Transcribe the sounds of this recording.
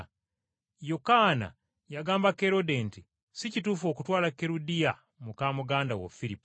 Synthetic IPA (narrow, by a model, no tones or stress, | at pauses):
jokaːna̰ | jaɡaːmbake̞ɾo̞denti | sicituːfo̞ːkutwaːlakeɾudija | mukaːmuɡaːndawo̰fiɾipːu̥